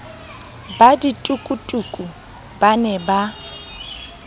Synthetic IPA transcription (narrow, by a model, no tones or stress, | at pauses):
baditʼukʼutʼukʼu | banɛba